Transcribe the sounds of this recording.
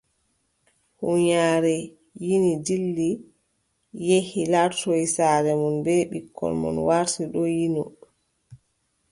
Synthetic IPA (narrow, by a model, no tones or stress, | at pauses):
huɲaːɾɛ | jinidilːi | jehilaɾtɔjsaːɾɛmunbɛɓikʰːɔ̰lmɔ̰nwaɾtiɗɔjinɔ